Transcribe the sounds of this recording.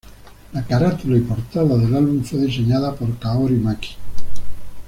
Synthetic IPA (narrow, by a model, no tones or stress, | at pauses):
lakaɾat̪ulaipoɾt̪aðaðelalβuɱfweðiseɲaðapoɾkaoɾimaki̥